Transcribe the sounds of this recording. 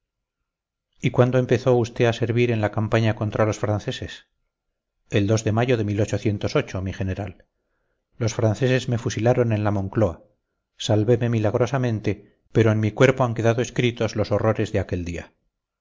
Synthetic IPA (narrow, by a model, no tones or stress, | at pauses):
ikwand̪oempe̞θo̞ust̪e̞ase̞ɾβiɾe̞nlakampaɲako̞nt̪ɾalo̞sfɾanθe̞se̞s | e̞ld̪o̞zðe̞maʝo̞ðe̞milo̞t͡ʃo̞θje̞nt̪o̞so̞t͡ʃo̞miχe̞ne̞ɾalː | o̞sfɾanθe̞se̞zme̞fusilaɾo̞ne̞nlamõ̞ŋklo̞a | salβe̞me̞milaɣ̞ɾo̞samẽ̞nt̪e̞ | pe̞ɾo̞enmikwe̞ɾpoaŋke̞ðaðoe̞skɾit̪o̞zlo̞so̞ro̞ɾe̞zðeake̞ld̪ia̰